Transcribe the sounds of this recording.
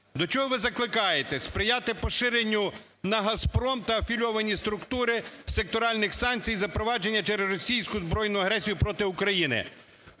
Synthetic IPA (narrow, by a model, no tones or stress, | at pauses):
d̪ɔt͡ʃɔɦɔʋɪzɐklˠɪkɑjet̪ɛspɾɪjat̪ɪpɔʃɪɾenʲːʊ | nɐɦɐspɾɔmt̪ɐːfʲilʲɔʋɐnʲist̪ɾʊkt̪uɾɪsek̚t̪ɔɾɑlʲnɪxsɑnʲt͡sʲijzɐpɾɔʋɑd͡ʒe̞nʲːɐt͡ʃɛɾezrɔsʲijsʲkʊzbɾɔjnʊjɐɦɾɛsʲijʊpɾɔt̪ɪʊkɾɐjinɪ̰